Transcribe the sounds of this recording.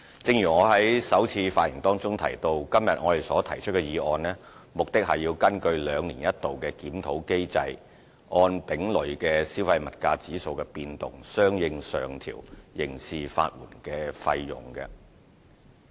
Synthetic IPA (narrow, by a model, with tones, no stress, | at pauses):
t͡sɪ˧ŋjyː˨˩ŋɔː˨˧hɐ˨˥jsɐ˨˥wt͡sʰiː˧faː˧t̚jɪ˨˩ŋt̪ɔː˥ŋt͡sʊ˥ŋt̪ʰɐ˨˩jt̪o˧wkɐ˥mjɐ˨t̚ŋɔ̰ː˨˧t̪e˨jsɔː˨˥t̪ʰɐ˨˩jt͡ʃʰɵ˥t̚kɛ˧jiː˨˧ʔɔː˧nlɛː˥ | mʊ˨˩k̚t̪ɪ˥k̚hɐ˨jːiː˧wkɐ˥nkɵ˧ɥlœː˨˧ŋnḭː˨˩njɐ˥t̚t̪o˨wkɛː˧kiː˨˥mt̪ʰo˨˥wke˥jt͡sɐ˧j | ʔɔː˧npɪ˨˥ŋlɵ˨˩ɥkɛː˧siː˥wfɐ˧jmɐ˨t̚kaː˧t͡siː˨˥so˨˧wkɛː˧piː˧nt̪ʊ˨˩ŋsœː˥ŋjɪ˧ŋsœ̰ː˨˩ŋt̪ʰḭː˨˩wjɪ˨˩ŋsiː˨fa̰ː˧t̚mṵː˨˩nkɛː˧fɐ˧jːʊ̰˨˩ŋkɐ̰˧